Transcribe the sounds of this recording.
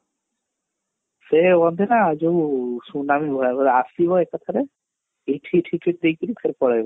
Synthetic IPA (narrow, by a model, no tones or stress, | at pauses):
seɔnd̪ʱenad͡ʒousunamibʱɔabɔasibɔekat̪ʰaɾe | eʈʰiʈʰiʈʰiʈ̚d̪ejkiɾikʰeɾpɔɽajbɔ